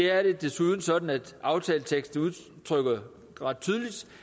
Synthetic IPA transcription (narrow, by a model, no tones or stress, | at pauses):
e̝æɐɾe̝d̥e̝suð̞ˠn̩sɒ̽d̥n̩æd̥ʔɑ̈ʊt͡sʰɛːlət͡sʰeɡ̥sd̥n̩uðˠ | t͡sʰʁœɡ̥ɐ | ʁɑ̈d̥̚t͡sʰyːð̞ˠlid̥